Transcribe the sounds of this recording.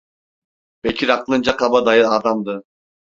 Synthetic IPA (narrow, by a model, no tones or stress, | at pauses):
b̥ecʰiɾaqlˠɯnd͡ʒaqʰabad̪ajɯad̪amd̪ɯ